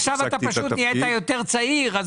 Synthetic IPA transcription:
ʃavat̪apaʃut̪nijet̪ajo̞t̪eʁt͡saiʁaz

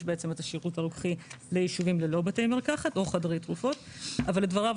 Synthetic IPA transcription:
ʃbeet͡se̞metaʃiʁutaʁukχilejiʃuvimlelo̞batejmiʁkaχato̞χadʁejtʁufo̞t | avalːedvaʁav

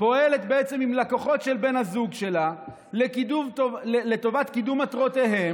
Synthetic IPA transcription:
po̞ele̞t̪beet͡se̞mimlakoχo̞t̪ʃe̞lbe̞nhazuɡʃe̞la | lekid̪uvtoelet̪o̞vat̪kid̪umat̪ʁo̞t̪e̞ɦem

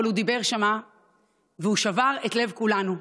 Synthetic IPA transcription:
alhud̪ibe̞ʁʃama | veuʃavaʁe̞t̪le̞vkulanu

